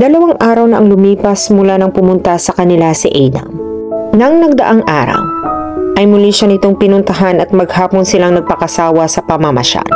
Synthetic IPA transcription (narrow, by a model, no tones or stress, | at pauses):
d̪ɐlɐwaŋʔaːɾɐwnɐʔɐŋlʊmiːpɐsmʊlanɐŋpʊmʊnt̪ɐsɐkɐnɪlasɪʔɛjnɐ̰ | nɐŋnɐɡ̚d̪ɐ̰ʔaŋʔaːɾɐ̰mʔɐjmʊliʃɐnɪt̪o̞ŋpɪnʊnt̪ɐɦanɐt̪̚mɐɡhaːponsɪlaŋnɐɡ̚pɐkɐsaːwɐsɐpɐmɐmɐ̰ʃa̰